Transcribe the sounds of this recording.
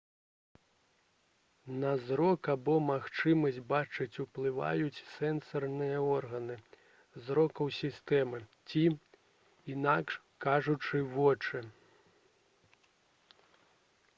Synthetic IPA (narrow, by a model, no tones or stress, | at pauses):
nɐzɾɔkabɔmaxt͡ʂɨmɐsʲt͡sʲbat͡ʂɨt͡sʲuplˠɨva̰jut͡sʲsɛnsɐrnɨjɐɔrɣɐnɨ | zɾɔkɐwsʲist̪ɛmɨt͡sʲi | inakʂ | kaʐut͡ʂɨvɔt͡ʂɨ